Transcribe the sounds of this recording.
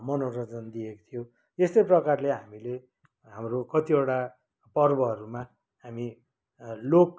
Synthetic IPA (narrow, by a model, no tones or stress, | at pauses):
mʌnorʌd͡zʌnd̪ieko̥t̪ʰijo | est̪ʌjprʌkarleɦamile | ɦamrokʌt̪ioʈa | pʌrbʌɦʌɾuma | ɦami | lok̚